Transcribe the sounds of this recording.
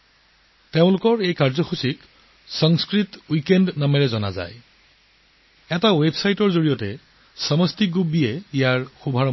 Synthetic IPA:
teʊ̃lʊkɔɹejkaɹzɔxusik | sɔŋskɹitwikendnamɛɹɛzɔna̰za̰j | ɛtawebsajtɔɹzoɹijɔtɛ | sɔmɔstiɡubijɛijaɹxubʱaɹɔ

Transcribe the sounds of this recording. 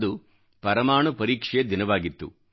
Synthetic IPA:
d̪u | pɐɾɐmaːɳupɐɾiːkʂed̪inɐʋaːɡit̪ːṵ

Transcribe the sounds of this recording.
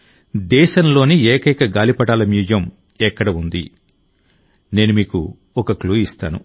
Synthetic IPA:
d̪ɛːʃɐnlo̞ːnieːkɐjkɐɡaːlipɐʈaːlɐmjuːd͡ʒɐm | ɛkːɐɽɐund̪ḭ | ne̞ːnumiːkṵ | ɔkɐkluːist̪a̰ːnṵ

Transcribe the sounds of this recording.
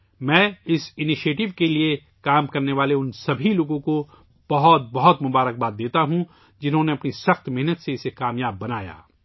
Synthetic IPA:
mɛ̃ːɪsɪnɪʃeːʈɪʋkelie | kaːmkɐɾneʋaːleʊnsɐbʱiloːɡõko | b̥ɐɦɔt̪̚bɐɦɔt̪mʊbaːɾək̚baːt̪̚d̪eːt̪aɦũ | d͡ʒɪnɦõneɐpnisɐxt̪mɛɦnət̪seɪsekaːmjaːbːɐnaːja̰ː

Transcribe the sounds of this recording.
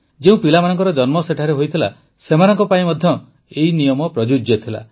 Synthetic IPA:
d͡ʒeũpilamanɔŋkɔɾɔd͡ʒɔnmɔseʈʰaɾeɦojt̪ʰila̰ | semanɔŋkɔpaĩmɔd̪ʱjɔ | einijɔmɔpɾɔd͡ʒud͡ʒjet̪ʰila̰

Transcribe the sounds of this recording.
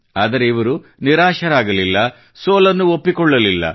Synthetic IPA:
aːd̪ɐɾeiʋɐɾu | niɾaːʃɐɾaːɡɐlilːɐ | soːlɐnːuopːikɔɭːɐlilːɐ̰

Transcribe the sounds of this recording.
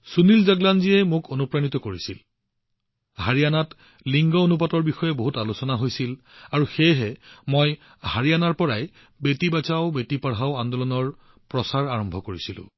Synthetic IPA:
sunilzaɡlanziɛmʊkonupɹanitɔkoɹisil | haɹijanat | liŋɡɔonup̬atɔɹbixɔjɛboɦutalusɔnaɦojsil | aɹuxejɦɛmoj | haɹianaɹpɔɹaj | betibat͡ʃaʊbetipaɹɦaʊandɔlɔnɔɹ | pɹɔsaɹaɹɔmbʱɔkoɹisilʊ̰̃

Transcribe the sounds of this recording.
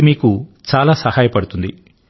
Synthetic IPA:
miːkut͡ʃaːlaːsɐhaːjɐpɐɽut̪und̪i

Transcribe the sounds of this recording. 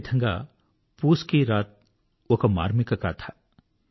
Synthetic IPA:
t̪ʰɐ̃ŋɡa̰ | puːskiɾaːt̪̚ | okama̰ːɾmikɐkat̪ʰaː

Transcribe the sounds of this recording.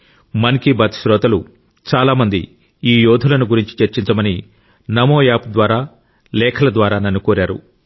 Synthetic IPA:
mɐnkibɐt̪ʃɾɔːt̪ɐlu | t͡ʃaːlaːmɐnd̪ḭ | iːjɔːd̪ʱulɐnuɡuɾiɲt͡ʃit͡ʃeɾt͡ʃiɲt͡ʃɐmɐni | nɐmoːjaːp̚d̪ʋaːɾaː | lɛːkʰɐlɐd̪ʋaːɾaːnɐnːukoːɾaːɾṵ

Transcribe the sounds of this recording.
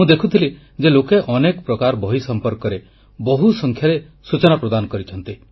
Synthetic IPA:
mũd̪ekʰut̪ʰili | d͡ʒelokeʔɔnekɔpɾɔkaɾbɔɦisɔmpɔɾkɔɾe | bɔɦusɔŋkʰjaɾe | sut͡ʃɔnapɾɔd̪anɔkɔɾit͡ʃʰɔnt̪i

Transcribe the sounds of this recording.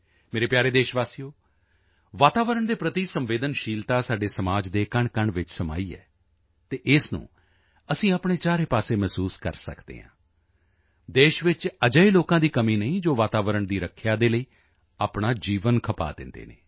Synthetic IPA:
meːɾeːpjaːɾeːd̪eːʃʋaːsijoː | ʋaːt̪aːʋəɾəɳd̪eːpɾət̪iːsəmʋeːd̪ənʃiːlt̪aːsaːɖeːsəmaːd͡ʒd̪eːkəɳkəɳʋɪt͡ʃsəma̰ːiːɛ̰ː | t̪eːʔɪsnṵ̃ː | əsĩːaːpɳeːt͡ʃaːɾeːpaːseːmɛːsuːskə̰ɾsə̰kd̪ḛːɦã̰ː | d̪eːʃʋɪt͡ʃəd͡ʒəiːloːkãːd̪iːkəmiːnəĩːd͡ʒoːʋaːt̪aːʋəɾəɳd̪iːɾəkʰjaːd̪eːləiː | aːpɳaːd͡ʒiːʋənkʰəpa̰ːd̪ɪ̰nd̪ḛːnḛː

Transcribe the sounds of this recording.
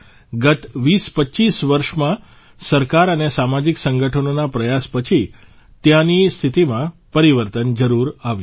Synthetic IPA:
ɡət̪ʋispətːt͡ʃisʋəɾʃmã | səɾkaɾənesamad͡ʒiksəŋɡəʈʰənonapɾəjaspət͡ʃʰi | t̪jãnist̪ʰit̪imãpəɾiʋəɾt̪ənd͡ʒəɾuɾaʋj

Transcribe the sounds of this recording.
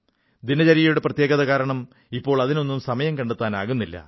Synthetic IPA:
d̪inɐt͡ɕɐɾijɐjuɽeprɐt̪jeːɡɐðɐkaːɾɐɳɐm | ipːo̞ːɭɐðino̞nːumsɐmɐjɐmkɐɳɖut̪ːaːnaːɣunːilːɐ̰

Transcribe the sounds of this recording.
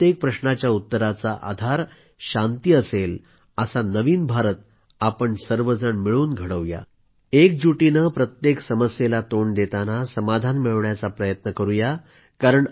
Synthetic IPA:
t̪jek̚pɾəɕɳat͡ɕjaut̪ːəɾat͡saʔa̰d̪ʱaɾ | ɕant̪iəsel | əsanəʋiːnbʱaɾət̪̚ | apəɳsəɾʋəd͡zəɳmiɭuːnɡʱəɽəʋja̰ | ek̚d͡ʑuʈinəpɾət̪jeksəməsjelat̪oɳd̪et̪anasəmad̪ʱanmiɭɳjat͡sapɾəjət̪nəkəɾuja | kaɾəɳ

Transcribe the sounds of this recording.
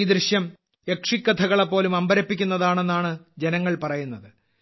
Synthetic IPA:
id̪ɾiɕjɐm | ekʂikːɐt̪ʰɐɣɐɭepːo̞ːlumɐmbɐɾɐpːik̬ʲːunːɐðaːɳe̞nːaːɳɨd͡ʑenɐŋːɐɭpɐrɐjunːɐðɨ

